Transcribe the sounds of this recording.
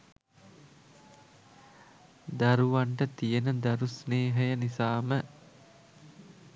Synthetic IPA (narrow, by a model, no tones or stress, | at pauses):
d̪aɾuʋaɳʈət̪ijənəd̪aɾusneːɦəjənisaːmə